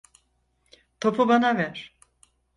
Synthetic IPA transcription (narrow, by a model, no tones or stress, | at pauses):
t̪ʰopʰubanavɛɾ̥